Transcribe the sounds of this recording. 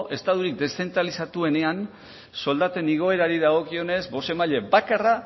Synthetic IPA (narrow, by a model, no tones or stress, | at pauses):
ʔe̞st̪aðuɾik̚d̪e̞sθe̞nt̪ɾalisat̪ue̞ne̞an | so̞ld̪at̪e̞niɣo̞e̞ɾaɾiðaɣo̞kio̞ne̞zbo̞se̞maʎe̞bakara